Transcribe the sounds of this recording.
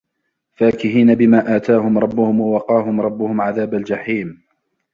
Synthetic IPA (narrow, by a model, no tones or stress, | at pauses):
faːkɪɦiːnabɪmaːʔaːt̪aːɦʊmɾˤɑbːʊhʊmwawɑqɑːɦʊmɾˤɑbːʊhʊmʕaðaːbald͡ʒaħiːm